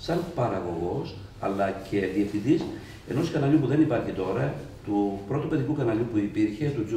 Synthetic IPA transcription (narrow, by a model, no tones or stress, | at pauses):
sɐnpɐɾɐɣo̞ɣo̞s | ɐ̰lːɐcʰe̞ðiefθind̪is | e̞̰noskɐnɐʎupuðe̞nipɐɾçit̪o̞ɾɐt̪upɾo̞t̪upeðikukɐnɐʎupuipiɾçe̞t̪uzu